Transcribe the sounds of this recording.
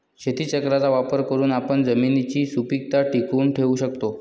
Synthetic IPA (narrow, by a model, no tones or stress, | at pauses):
ɕet̪ʰiːt͡ɕəkɾat͡saʋapəɾkəɾuːnapəɳd͡zəminit͡ɕiːsupik̚t̪aʈikuːnʈʰeuːɕək̚t̪o